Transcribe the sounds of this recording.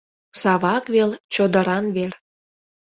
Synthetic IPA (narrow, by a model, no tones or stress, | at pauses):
sɑβɑkβelt͡ɕod̪ə̆ɾɑnβer